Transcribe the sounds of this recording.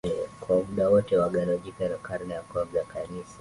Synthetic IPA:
ɛkwamuɗawɔtɛwaɡalaʄikanakaɾnaakavzakanisa

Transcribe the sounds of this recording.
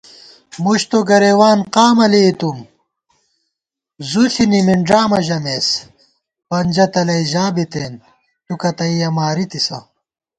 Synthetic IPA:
muɕt̪oɡɐɾeːwaːnqaːmɐleːt̪um | zuɬʰinimiɳɖɾaːmɐʑɐmeːs | bɐnd͡ʑɐt̪ɐlɐiʑaːbit̪eːn | tukɐt̪ɐijɐmaːɾit̪isɐ̰

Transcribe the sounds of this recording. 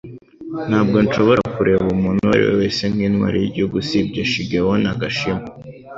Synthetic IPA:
n̥aːb̚ɡo̞nʃo̞βo̞ɾakuɾeːβumunua̰ɾḭwḛweːse̞ŋ̥hiːnwa̰ːɾijiɾɟoɡusib̚ɟaʃiɡewonaɡaʃima

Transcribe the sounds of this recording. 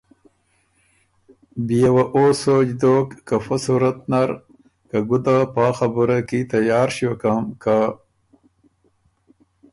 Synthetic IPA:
bijawaʔosod͡ʑd̪oːkːafɐsuɾɐt̪naɾ | kaɡud̪apaːxɐbuɾakit̪ɐjaːɾɕokamka

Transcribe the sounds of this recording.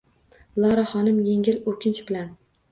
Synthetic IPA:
lˠɒɾaχɒnɪmjeŋʲɪlokʲʰɪnt͡ʃb̥ɪlan

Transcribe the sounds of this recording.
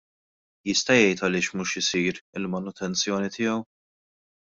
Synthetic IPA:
jɪst̪ɐjɛjt̪ɐlɪːʃmuːʃɪsiːɾɪlmɐnʊt̪ʰɛnt͡sjɔːnit̪ʰɪːjɐw

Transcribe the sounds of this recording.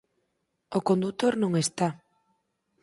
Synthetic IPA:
okond̪ut̪oɾnõŋest̪a

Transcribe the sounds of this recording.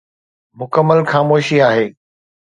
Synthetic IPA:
mʊkəmːəlxaːmoːʃiaːɦeː

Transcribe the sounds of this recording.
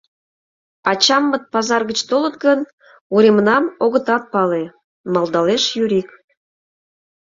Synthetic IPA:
ɑt͡ɕɑmːət̪̚pɑzɑrɣət͡ɕt̪olət̪ɡən | uɾemnɑmoɣə̆t̪ɑt̪̚pɑle | mɑld̪ɑleʃjyɾik

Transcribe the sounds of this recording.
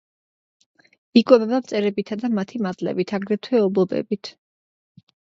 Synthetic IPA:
ikʼwɛbɛbamt̪sʼɛɾɛbit̪ʰad̪amat̪ʰimad̪lɛ̰bit̪ʰaɡɾɛt̪ʰwɛɔblˠɔbɛ̰bit̪ʰ

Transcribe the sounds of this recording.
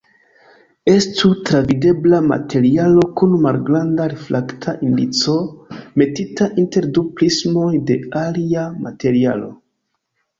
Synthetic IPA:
e̞stutɾavide̞blama̰tʰe̞ɾialo̞kunmalɡɾandaɾeflaktʰaʔindit͡so̞me̞titaʔinte̞ɾduplismo̞jde̞aliama̰te̞ɾia̰lo̞̰

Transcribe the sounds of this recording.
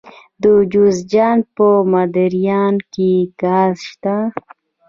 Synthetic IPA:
d̪əd͡ʒuzd͡ʒɑnpəmad̪aɾijɑnkiɡazʃt̪a

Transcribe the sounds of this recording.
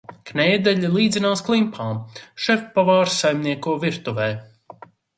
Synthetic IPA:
knɛːd̪ɛʎʲilˠiːd̪zinaːsklˠimpʰaːmʃɛfpavaːɾsajmniɛkuɔviɾt̪uvɛː

